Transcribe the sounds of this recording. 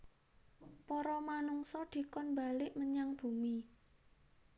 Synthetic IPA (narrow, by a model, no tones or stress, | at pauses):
pɔɾɔmanuŋsɔd̪̥i̤kɔnba̤lɪʔməɲaŋb̥ṳmi